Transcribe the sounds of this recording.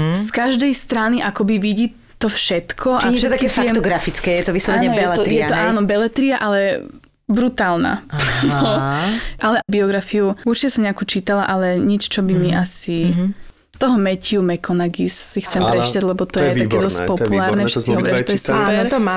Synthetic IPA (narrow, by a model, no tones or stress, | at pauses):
skaʒd̪ɛjst̪ɾaniʔakɔbiʋiɟiː | t̪ɔfʃɛt̪kʰɔʔaʃɛt̪akɛfɛt̪ɔɡɾafit͡skɛjɛt̪ɔʋislɔɛnɲɛɔjbɛɛlɛijɛat̪ɔaːnɔbɛlɛt̪ɾiaʔalɛ | bɾut̪aːlna̰ɔʔalɛʔbiɔɡɾafiuuɾt͡ʃicɛsɔmɲɛakuːt͡ʃiːt̪alaʔalɛɲit͡ʃt͡ʃɔbimiʔasi | t̪ɔɦɔmɛciumɛkɔnaɡissixt͡sɛmpɾɛt͡ʃiːt̪aɟlɛbɔt̪ɔjɛt̪akɛːd̪ɔscpɔpulaːɾnɛfʃɛkiɦɔpɾɛʒɔt̪jɛsuɛɾt̪ɔma